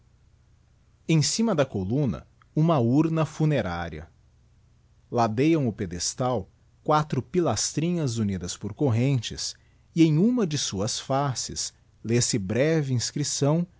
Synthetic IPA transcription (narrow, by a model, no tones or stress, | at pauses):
ẽj̃sĩmɐd̪ɐkolũnɐ̰ | ũmɐuɾnɐfuneɾaɾiɐ̰ | lad̪ejɐ̃w̃ʊped̪est̪aw | kwat̪ɾʊpilast̪ɾĩɲɐzunid̪ɐspoɾkoɦẽnt͡ʃɪ̰s | ɪẽj̃ũmɐd͡ʒɪsuɐsfasɪ̰s | lesɪbɾɛvɪĩskɾisɐ̃w̃